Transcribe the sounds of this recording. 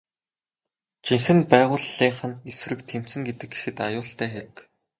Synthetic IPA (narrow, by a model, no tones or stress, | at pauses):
t͡ɕiŋxɘ̆npæːʁʊːɮiːɴχə̆nesrɘ̆k̚t̪ʰem̥t͡sɘ̆ŋɡet̪ɘ̆kɡexɘ̆t̪ajʊːɬt̪æːxeɾɘ̆k